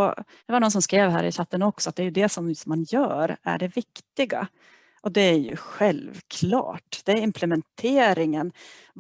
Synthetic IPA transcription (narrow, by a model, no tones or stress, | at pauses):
ɔd̪̥ɛvaɾɳɔnsɔmskɾeːvɦæ̰ːɾɪ̰ɕat̪ːənɔksɔat̪̚d̪ɛæɾjɵd̪ɛsɔmsɔmːanjœ̰ːɾæ̰ɖɛvɪkt̪ɪɡa̰ | ʔɔd̪ɛæɾjɵ̰ɧɛlvkʰlɑ̰ːʈd̪̥ɛæɾɪmpʰlɛmɛnt̪ʰeːɾɪŋən